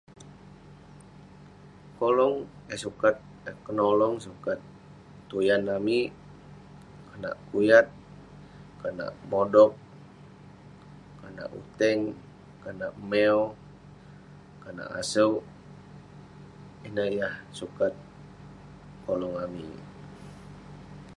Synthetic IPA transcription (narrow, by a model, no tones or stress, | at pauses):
kolɔŋjasukat̪̚ | əkənɔlɔŋsukat̪ː | ujanami | kana̰ʔkujat̪̚ | kana̰ʔmodɔk̚ | kana̰ʔṵt̪ɛŋ | kanaʔmɛɔ | kana̰ʔa̰səw | inəjahsukat̪̚ | kolɔŋamḭ